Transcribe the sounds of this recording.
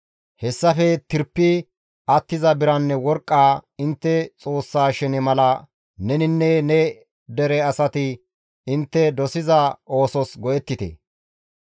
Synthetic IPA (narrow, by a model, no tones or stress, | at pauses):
hɛsːɐfɛt̪ɪɾpːɪ | ɐt̪ːɪzɐbɪɾɐnːɛwɔɾkʼːaːɪnt̪ːɛt͡sʼo̞ːsːaːʃɛnɪmɐlɐ | nɛnɪnːɛnɛ | d̪ɛɾɛɐsɐt̪ɪ | ɪnt̪ːɛd̪ɔsɪzɐo̞ːsɔsɡɔʔɛt̪ːɪt̪ḛ